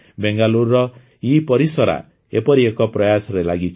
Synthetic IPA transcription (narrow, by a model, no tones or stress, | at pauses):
beŋɡalurːɔ | jipɔɾisɔɾa̰ | epɔɾiekɔpɾɔjasɾelaɡit͡sʰ